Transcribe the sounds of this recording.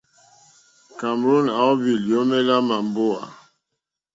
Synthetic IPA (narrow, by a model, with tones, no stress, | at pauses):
ka˨mɾo˦˨na˨˦ɔ˦vi˨ljo˦mɛ˦la˦ma˨m˨bo˦a̰˨